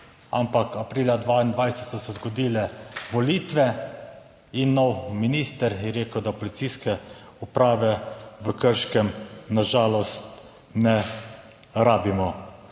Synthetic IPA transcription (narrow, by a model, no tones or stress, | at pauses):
a̰mpakapɾiːlad̪ʋaind̪ʋajsɛt̪sɔsɛzɡɔd̪iːlɛʋɔliːt̪ʋɛ | inːɔwminist̪əɾjɛɾeːkəwd̪apɔlit̪iskɛ | upɾaːʋɛʋəkəɾʃkɛmnaʒaːlɔst̪ | nɛ | ɾaːbimɔ